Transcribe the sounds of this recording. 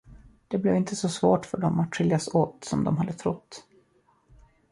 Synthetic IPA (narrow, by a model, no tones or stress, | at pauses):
d̪̥ɛblɛvɪnt̪ʰəsɔsvoːʈfœɖɔmat̪ɧʏljasoːt̪sɔmd̪ɔmɦad̪ːət̪ʰɾʊt̪ː